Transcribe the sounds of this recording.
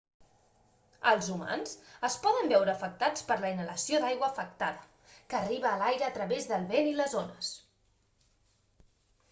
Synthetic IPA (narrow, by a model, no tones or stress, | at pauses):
əlˠzuma̰nzəspɔðəmbɛwɾəːfək̚t̪at͡spəɾləinələsioðajɣwəːfək̚t̪aðə | kəːriβəːlajɾəːt̪ɾəβezðəlˠβeniləzonəs